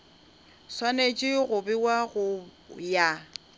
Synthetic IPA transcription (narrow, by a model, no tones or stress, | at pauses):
swanet͡ʃʼɪɣʊbɪwaɣʊja